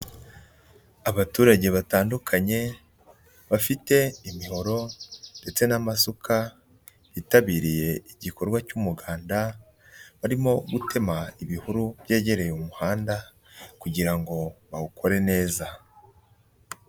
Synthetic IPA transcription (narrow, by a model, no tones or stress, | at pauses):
aβatuːɾaɟe̞βataːndukʰaɲe̞ | βafite̞imiho̞ɾo̞nde̞t͡se̞namasukʰa | βitaβiːɾije̞iɟikʰo̞ɾɡwacumuɡaːnda | βaɾimo̞ɡutʰe̞maiβihuɾuβ̥je̞ːɟe̞ɾe̞jumuhaːnda | kuɟiɾaŋɡo̞βaukʰo̞ɾe̞ne̞ːza